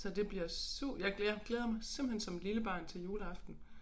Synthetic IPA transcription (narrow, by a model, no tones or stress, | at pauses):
sɒ̽d̥e̝b̥liɐsuɐ̰̥jɑ̈ɪɡaɡ̥leːð̞ˠɐmɑ̈ɪsemb̥l̩hensɒ̽mliləb̥ɑ̰̈ːnt͡sʰe̝ljuːləɑ̈fd̥n̩